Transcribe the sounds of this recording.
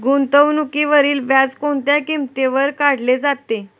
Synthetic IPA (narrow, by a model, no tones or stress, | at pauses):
ɡunt̪əʋnukiʋəɾiːlʋjad͡zkoɳt̪jakimt̪eʋəɾkaɽ̤led͡zat̪ːe